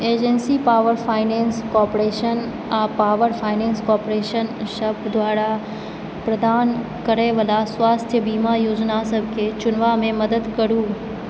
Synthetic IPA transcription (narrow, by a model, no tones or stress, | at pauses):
eːd͡ʒənsipaːʋəɾfʰaːɪnẽːnskɔːpɾeːʃən | apaːʋəɾfʰaːɪnẽːnskɔːpɾeːʃənʃəbd̪ʋaːɾa | pɾəd̪aːn | kəɾeʋəlasʋaːst̪ʰjəbiːmajoːd͡ʒnasəb̚ʱkʰet͡ʃʊnʋamẽməd̪əd̪kəɾũː